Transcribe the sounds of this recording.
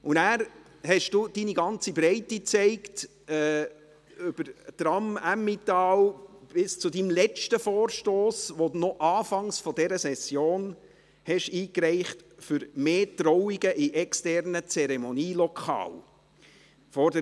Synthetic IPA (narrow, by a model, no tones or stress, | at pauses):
ʊnæːɾ | hɛʃd̥uːd̥iːniɡɑnt͡sibɾɛɪtit͡sɛɪkt | ɛː | ʏb̥əɾtɾɑmæmːitɑːlb̥ɪst͡sudimlɛt͡ʃtəfɔːɾʃtoːsʋonɔʔɑːfɑŋsfɔdɛɾəsɛsjoːn | hɛʃiːkɾɛɪχtfʏɾmeːtɾɔwiɡəʔiʔɛkstɛɾnət͡sɛɾɛmɔniːlɔkʰχɑ̰ːl | fɔɾdə